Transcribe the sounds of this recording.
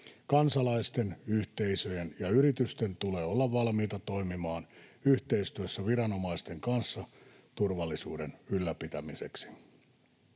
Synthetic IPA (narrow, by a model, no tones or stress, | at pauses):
kɑnsɑlɑist̪enyht̪eisøjenjɑyɾit̪yst̪ent̪uleːolːɑʋʋɑlmiːt̪ɑt̪o̞imimɑːnyht̪eist̪yøsːæʋiɾɑno̞mɑist̪e̞ŋkɑnsːɑ | t̪urʋɑlːisuːdenylːæpit̪æmisḛksi̥